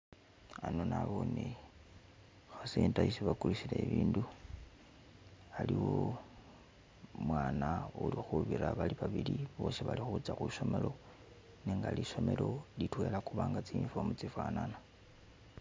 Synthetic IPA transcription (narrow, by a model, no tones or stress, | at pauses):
anonaβone | xaseːntaisiβakulusileiβiːndu | aliwo | mwaːnaulixuβiɾaβaliβaβiliβo̞ʃiβalixuut͡saxuʃo̞melo̞ | neŋɡaliʃo̞me̞lo̞litwelakuβaːŋɡat͡siɱfomut͡sifaːnana